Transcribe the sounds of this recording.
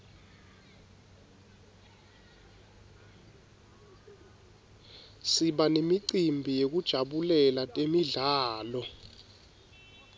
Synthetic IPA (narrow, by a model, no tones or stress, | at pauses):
siɓanemiǀimbʱijek̬ud̥ʒ̥ʱaɓulɛlatʼemiɮaːlɔ